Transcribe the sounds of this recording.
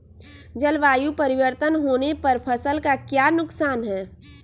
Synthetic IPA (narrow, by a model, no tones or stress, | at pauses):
d͡ʒɐlʋaːjupɐɾɪʋəɾt̪ənɦoːnepɐɾpʰɐsəlkakjaːnʊksaːnɦɛː